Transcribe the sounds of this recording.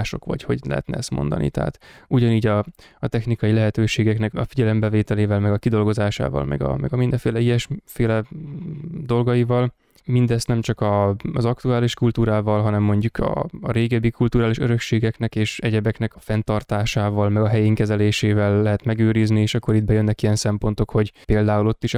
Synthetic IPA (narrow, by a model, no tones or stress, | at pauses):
ʃo̞̰kʋɒ̰cho̞̰ɟlɛ̰ɦɛ̰t̪nɛ̰ɛst̪mo̞̰nd̪ɒ̰nḭt̪ɛɦa̰ːt̪uɟɒniːɟɒ | ɒt̪ɛxnikɒjilɛɦɛt̪øːʃeːɡɛknɛkɒfiɟɛlɛmbɛveːt̪ɛleːvɛlmɛɡɒkid̪o̞lɡo̞zaːʃa̰ːvɒ̰lmɛ̰ɡɒ̰mɛɡɒmind̪ɛɱfeːlɛijɛʃfeːlɛ | d̪o̞lɡɒjivɒl | mind̪ɛst̪nɛmt͡ʃɒkɒzɒk̚t̪uaːliʃkult̪uːɾaːvɒlɦɒnɛmːo̞ɲɟukʰɒ̰ːɾeːɡɛbːikult̪uːɾaːliʃøɾø̞kʃeːɡɛknɛkeːʃɛɟɛbɛknɛkɒ̥fɛnt̪ɒrt̪aːʃaːvɒlmɛɡɒɦɛjeːŋkɛzɛleːʃeːvɛlːɛɦɛt̪mɛɡøːɾiznieːʃɒkːo̞ɾid̪̚bɛjønːɛkijɛnsɛmpo̞nt̪o̞kho̞ɟpeːld̪aːulo̞t̪ːiʃ